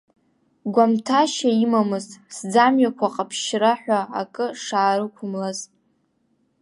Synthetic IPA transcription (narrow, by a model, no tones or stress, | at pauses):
ɡʷamtʰaʃaimamɨzʼsd͡zamɥakʷʰaqʼapʰʃraħᶣʷaːkʼɨʂaːɾɨkʷʰʊmlaz